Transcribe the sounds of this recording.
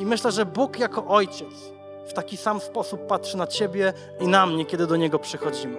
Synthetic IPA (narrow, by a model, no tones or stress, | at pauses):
imɘɕlɛʐɛbukjakɔʔɔjt͡ɕɛt̪s | ft̪akʲisamspɔsupːatʂɘnat͡ɕebʲjɛ | inamɲɛkʲjɛd̪ɘd̪ɔɲɛɡɔpʂɘxɔd͡ʑimɘ